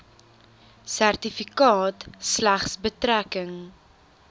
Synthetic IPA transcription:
særtifikɑːtslæχsbətɾækəŋ

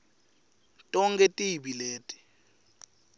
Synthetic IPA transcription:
tʼɔŋkʼɛtʼibileːtʼi̥

